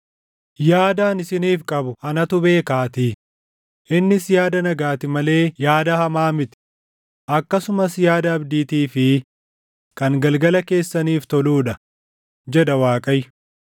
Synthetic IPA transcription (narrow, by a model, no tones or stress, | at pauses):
jaːd̪aːnɪsɪniːfkʼɐbʊɐnɐt̪ʊbe̞ːkaːt̪i | ʔɪnːɪsjaːd̪ɐnɐɡaːt̪ɪmɐle̞ːjaːd̪ɐhɐmaːmɪt̪ɪ̥ | ʔɐkːɐsʊmɐsjaːd̪ɐːbd̪iːt̪iːfɪ | kɐŋɡɐlɡɐlɐke̞ːsːɐniːft̪ɔluːᶑɐ | d͡ʒɛᶑ̪ɐwaːkʼɐj